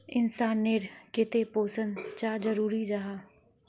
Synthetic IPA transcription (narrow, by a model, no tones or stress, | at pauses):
ɪnsaːnːeːɾkɪt̪epoːsənt͡ʃaːd͡ʒəɾuːɾid͡ʒaɦaː